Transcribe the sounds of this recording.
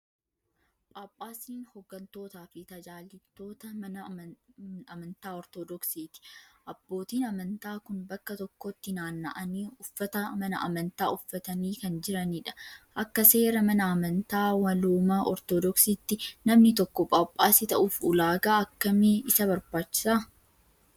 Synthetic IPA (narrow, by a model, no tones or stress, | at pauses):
pʼaːpʼːaːsiːnhɔɡːɐnt̪o̞ːt̪aːfɪt̪ɐd͡ʒaːlːɪt̪ːo̞ːt̪ɐmɐɐ | ɐmɐnt̪aːɔɾt̪ɔd̪ɔksiːt̪ɪ̥ʔɐbːo̞ːt̪iːnɐmɐnt̪aːkʊnbɐkːɐt̪ɔkːɔt̪ːɪnaːnːɐ̰ʔɐniːʊfːɐt̪ɐmɐnɐʔɐ̰mɐnt̪aːʊfːɐt̪ɐniːkɐnd͡ʒɪɾɐniːᶑɐ̥ʔɐkːɐse̞ːɾɐmɐnɐːmɐnt̪aːwɐluːmɐʔɔɾt̪od̪ɔksiːt̪ːɪnɐmnɪt̪ɔkːɔpʼaːpʼːaːsɪt̪ɐʔʊfʊlaːɡaːɐkːɐmɛɪsɐbɐɾbaːt͡ʃːɪ̥sa